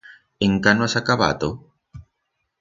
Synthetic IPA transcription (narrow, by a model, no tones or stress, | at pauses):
eŋkanwasakaβa̰t̪o